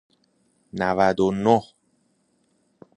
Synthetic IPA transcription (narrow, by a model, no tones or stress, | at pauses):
nævæd̪onoh